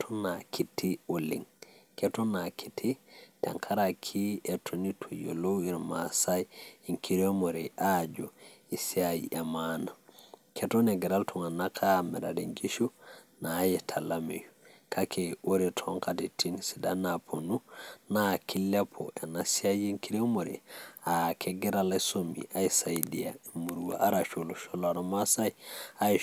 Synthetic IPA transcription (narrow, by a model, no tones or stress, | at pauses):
tʰɔnakʰitːiolḭŋkɛtɔnakʰitʰitɛ̰ŋkʰaɾakʰiɛtʰonitʰujɔ̰lowiɾmasajiŋkiɾɔmɔɾɛʔad͡ʒɔisiajḭʔamanakʰɛtɔnɛɡɛɾaltʰɔŋanakʰamɛ̰ɾadiŋɡiʃunajɛtʰalamḛjukʰakɛwoɾitʰɔŋkatitʰinsidanapʰonunakʰilːɛpʰɔ̰ʔɛnasiajiŋkiɾiɔmoɾɛ̰akʰɛɡɛɾalasomḭʔaisajdiamuɾuwa̰ʔaɾaʃoluʃɔlaɾɔmasajai